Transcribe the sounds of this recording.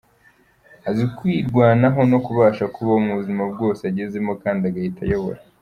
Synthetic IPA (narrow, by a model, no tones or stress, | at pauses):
azikwiːɾɡwaːnaɦo̞no̞kuβaːʃakuβaumuzimab̚ɡo̞ːseaɟe̞ze̞mokaːndaɡahita̰jo̞βo̞̰ɾa